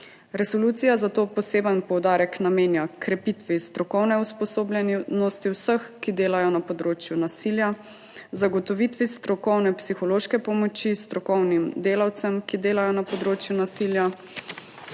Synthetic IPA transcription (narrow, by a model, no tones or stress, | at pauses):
ɾɛsɔluːt̪sijazat̪oːpɔseːbənpɔwd̪aːɾɛknameːnjakɾɛpit̪ʋist̪ɾɔkɔwnɛuspɔsoːblʲɛnnɔst̪iwsəxkid̪eːlajɔnapɔd̪ɾoːt͡ʃjunasilja | zaɡɔt̪ɔʋit̪ʋist̪ɾɔkɔwnɛpsixɔloːʃkɛpɔmɔt͡ʃist̪ɾɔkɔwnimd̪eːlawt̪səmkid̪eːlajɔnapɔd̪ɾoːt͡ʃjunasilja